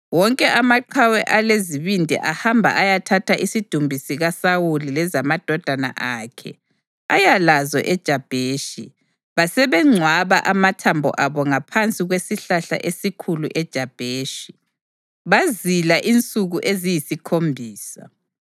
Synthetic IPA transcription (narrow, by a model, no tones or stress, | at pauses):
wɔŋkʼɛʔamaǃʰawɛʔaleziβindʱɛ̰ʔahambʱa̰ʔajatʰatʰaʔisid̥ʱumbʱisiɣasawulilɛzamad̥ʱɔd̥ʱana̰ʔaːkʰɛ̰ | ajalazɔ̰ʔɛd̥ʒ̥ʱab̥ʱeːʃḭ | βasɛβɛŋ͡ǀʱwaβaʔamatʰambʱɔ̰ʔaβɔŋapʰant͡sʼiɣwesiɬaɬa̰ʔesikʰuluʔɛd̥ʒ̥ʱab̥ʱeːʃi̥ | βazilaʔint͡sʼuɣuʔezijisikʰombʱiːsa̰